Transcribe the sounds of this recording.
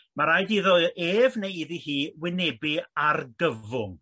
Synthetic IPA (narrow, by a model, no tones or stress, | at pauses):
maɾajdiðɔʔeːvnejiðihiːwɪnebiarɡəvʊŋ